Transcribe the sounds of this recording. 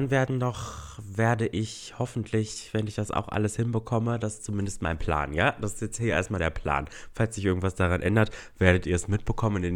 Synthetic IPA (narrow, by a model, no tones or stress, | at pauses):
anveːɐdn̩dɔχveːɐdəʔɪç | hɔfn̩tʰlɪçv̥ɛnɪçd̥asʔa̰ʊxʔa̰ləshɪnbəkʰɔmədasɪ̥st͡sumɪndəstma̰ɪnpʰl̥a̰ːnjaːd̥asɪstjɛt͡sthiːɐḛːɐstmaːldeːɐpʰl̥a̰ːnfalsz̥ɪçʔɪɐɡŋ̩tv̥asd̥aʁanʔɛndɐt | v̥eːɐɾətiːɐɛsmɪt̚b̥əkʰɔmənɪn